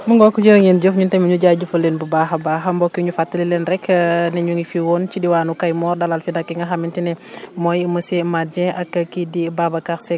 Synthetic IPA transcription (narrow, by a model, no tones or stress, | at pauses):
muŋɡɔkud͡ʒəɾŋend͡ʒəfɲuntɐmiɲuɟaɟufɐlenbubaɦɐbaːɦɐmbɔkːiɲufatːɐlilɛnrɛkʰnɛɲuŋɡifiwɔnt͡ʃidiwaːnukajmɔːrdalalfidakːiŋɡɐɦamintinɛmɔjimɐsemad͡ʒɛ̃ʔɐkːɐkidibabɐkaxsɛ